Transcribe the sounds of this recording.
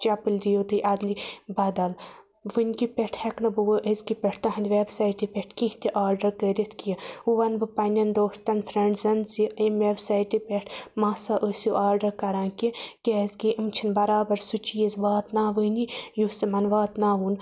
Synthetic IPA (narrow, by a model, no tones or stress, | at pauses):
t͡ʃɐpɨlʲɾijot̪ɨʔɐd̪libɐd̪ɐl | ʋɨnʲkipʲeʈʰhɐknɐbɨʋɨʔəzkipʲeʈʰt̪aɦɐnd̪ʲʋeːbsaːjʈipʲeʈʰkĩht̪ʲiʔaːɾɖɐɾkəːɾʲit̪ʰkijɐuʋɐnbɨpɐnʲɐnd̪oːst̪ɐnfʰɾeɳɖzɐnziimʋeːbsaːjʈipʲeʈʰmaːsaːʔosjuʔaːɾɖɐɾkɐɾãːkikʲezkiʔimt͡ʃʰinbɐɾaːbɐɾsut͡ʃijizʋaːt̪naːʋɨnijusimɐnʋaːt̪naːʋuːn